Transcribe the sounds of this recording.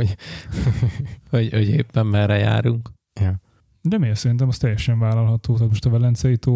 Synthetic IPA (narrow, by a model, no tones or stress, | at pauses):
o | hoɟhoɟeːpːɛmːɛɾɛja̰ːɾuŋk | jɒ | d̪ɛmeːlsɛɾint̪̬ɛmɒst̪ɛjːɛʃɛɱvaːlɒlɦɒt̪oːt̪aːt̪mo̞ʃt̪ɒvɛlɛnt̪sɛjit̪oː